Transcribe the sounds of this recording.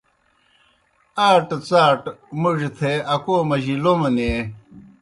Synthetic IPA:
aːʈt͡saːʈmuʐt̪ʰeɐkoːmɐʑilomɐne

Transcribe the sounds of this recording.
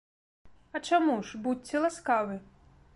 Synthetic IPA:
ɐt͡ʂamuʐbutʲːɛlˠaskavɨ

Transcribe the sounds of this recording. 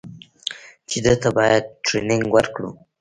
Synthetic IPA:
t͡ʃed̪ət̪abɑjad̪̚ʈɾenɪŋɡwəɾkɽṵ

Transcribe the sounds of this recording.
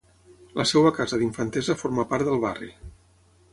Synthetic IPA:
ləsewəkazəðiɱfənt̪ɛzəfoɾməpaɾt̪d̪əlˠβa̰rḭ

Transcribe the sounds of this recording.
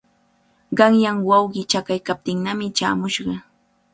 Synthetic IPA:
ɢɑŋjaŋwɑwɢɪt͡ʃakajkap̚t̪ɪŋnamɪt͡ʃaːmʊʃɢɑ

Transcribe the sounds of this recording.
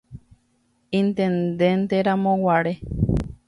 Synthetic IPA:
int̪ẽnd̪ent̪eɾamõwaɾe

